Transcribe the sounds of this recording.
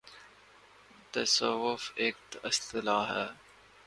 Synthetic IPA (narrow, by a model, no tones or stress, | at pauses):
t̪ɐsəʋʊfeːk̚t̪ɪst̪ɪlaːɦɛː